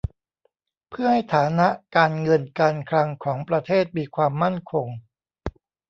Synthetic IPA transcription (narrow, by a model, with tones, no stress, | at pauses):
pʰɯ˥˩ɐha˥˩jt̪ʰaː˩˦na˦˥ʔkaː˧nŋɤ˧nkaː˧nkʰɾa˧ŋkʰɔː˩˦ŋpɾa˧t̪ʰeː˥˩t̪̚miː˧kʰwaː˧mːa˥˩nkʰo˧ŋ